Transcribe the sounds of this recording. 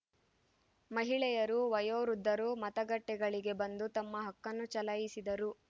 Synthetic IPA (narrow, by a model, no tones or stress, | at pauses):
mɐɦiɭɛjɐɾuʋɐjoːɾud̪ːɐɾumɐt̪ɐɡɐʈːɛɡɐɭiɡe̞bɐnd̪ut̪ɐmːɐɦɐkːɐnːut͡ʃɐlɐjisid̪ɐɾu